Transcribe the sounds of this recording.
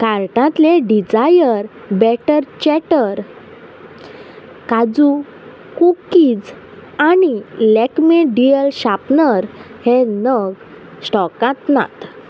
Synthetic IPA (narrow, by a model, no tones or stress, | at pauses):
kaɾʈãt̪leɖid͡zajəɾ | bɛʈəɾt͡ɕɛʈəɾ | kad͡zu | kukid͡z | anilɛkmeɖijəlɕapnəɾhenəɡ | sʈɔkãt̪na̰t̪